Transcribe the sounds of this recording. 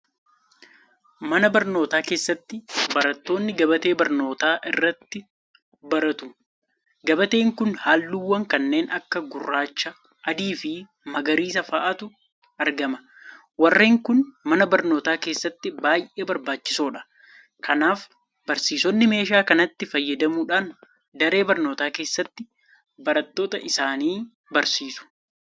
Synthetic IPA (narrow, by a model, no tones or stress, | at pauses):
mɐnɐbɐɾno̞ːt̪aːke̞ːsːɐt̪ːɪbɐɾɐt̪ːo̞ːnːɪɡɐbɐt̪e̞ːbɐɾno̞ːt̪aːʔɪrːɐt̪ːɪ | bɐɾɐt̪ʊ | ɡɐbɐt̪e̞ːŋkʊnhaːlːuːwːɐŋkɐnːe̞ːnɐkːɐɡʊrːaːt͡ʃːɐ | ʔɐd̪iːfɪ | mɐɡɐɾiːs̬ɐfɐʔɐt̪ʊ | ʔɐɾɡɐmɐ̥ | wɐrːeːŋkʊnmɐnɐbɐɾno̞ːt̪aːke̞ːsːɐt̪ːɪbaːjʔe̞ːbɐɾbaːt͡ʃːɪ̥soːᶑɐ̥ | kɐnaːf | bɐɾsiːsɔnːɪme̞ːʃaːkɐnɐt̪ːɪfɐjːɐd̪ɐmuːᶑaːn | d̪ɐɾe̞ːbɐɾnoːt̪aːke̞ːsːɐt̪ːɪ | bɐɾɐt̪ːo̞ːt̪ɐʔɪsaːniː | bɐɾsiːsʊ̥